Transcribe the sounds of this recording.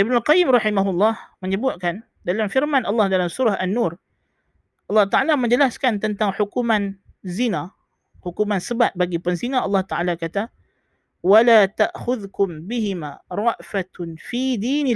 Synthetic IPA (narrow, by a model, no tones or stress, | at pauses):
ʔibnʊlqɑjɪmrɑħimaɦʊlːɑhməɲəbʊt̪̚kan | dalamfirmanʔɑlːɑhdalamsuɾahʔanːur | ʔɑlːɑht̪aʕalaməɲd͡ʒəlaskant̪ənt̪aŋħukuman | zina | hukumansəbat̪̚baɡipənzinaʔɑlːɑht̪aʔalakat̪a | walaːt̪aʔxʊðkʊmbiɦimaɾˤɑʔfat̪nfid̪iːnɪ